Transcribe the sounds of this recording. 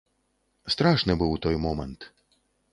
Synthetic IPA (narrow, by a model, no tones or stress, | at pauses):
st̪ɾaʂnɨbɨwt̪ɔjmɔmɛnt̪